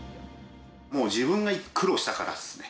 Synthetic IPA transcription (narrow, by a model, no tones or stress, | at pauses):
mo̞ːd͡ʑiβɯ̟̃ŋɡaikʰːɯ̟ɾo̞ɕi̥t̪akaɾa̰d̪e̥sɨ̥ne